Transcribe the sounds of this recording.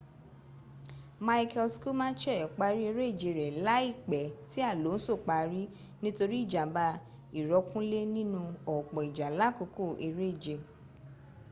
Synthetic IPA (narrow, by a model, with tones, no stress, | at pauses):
ma˧i˦˧kʰɛ˧lsku˦mã˦t͡ʃɛ˦˨k͡pa˧ɾi˦e˧ɾe˦i˦˨d͡ʒe˧ɾɛ˨la˦i˦˨k͡pɛ˨ti˦a˦˨lo˨˦n̩˦so˦˨k͡pa˧ɾi˦ | nĩ˦to˧ɾi˦i˦˨d͡ʒa˨ba˧ | i˨ɾɔ˨˧˦kũ˦le˦nĩ˦nũ˧ɔ˨k͡pɔ˨i˨d͡ʒa˨la˨˦ko˧ko˦˨ʔe˧ɾe˦i˦˨d͡ʒe˧˨